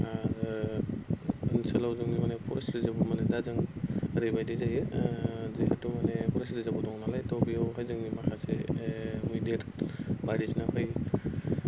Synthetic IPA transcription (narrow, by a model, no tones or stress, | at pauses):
aɾɯ | nisalawzɯŋnimanepʰɔɾa̰sɾɯzabɔmanedazɯŋɾɯjbajdɯzaje | zehatumanepʰɔɾasɾɯzabɔdɔŋnalajtɔwbiawɦajzɯŋnimakʰasemujdetbaɾisnapʰɯj